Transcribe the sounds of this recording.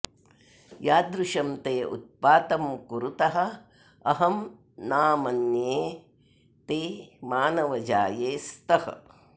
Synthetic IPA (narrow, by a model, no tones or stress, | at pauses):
jaːd̪ɾuʃɐmt̪eːʔṵt̪̚paːt̪ɐmkuɾut̪ɐɦɐ̆ | ɐ̰ɦɐm | naːmɐnjeː | t̪eːmaːnɐʋɐd͡ʒaːjeːst̪ɐhɐ̰̆